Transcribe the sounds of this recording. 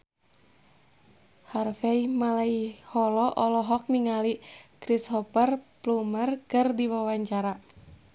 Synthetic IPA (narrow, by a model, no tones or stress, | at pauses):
harfaimalaihɔlɔʔɔlɔɦɔk̚niŋalikɾishɔpərplumərkɨrdiwawaɲt͡ʃaɾa